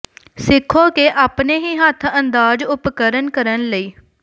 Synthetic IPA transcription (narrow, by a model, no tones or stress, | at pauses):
sɪkʰːõːkeːʔaːpneːɦiːɦət̪ʰənd̪aːd͡ʒʊpkəɾənkəɾənləiː